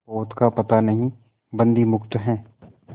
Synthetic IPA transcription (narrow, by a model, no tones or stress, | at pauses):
oːt̪kapɐt̪anɐɦĩ | bɐ̃nd̪imʊkt̪ɦɛ̃ː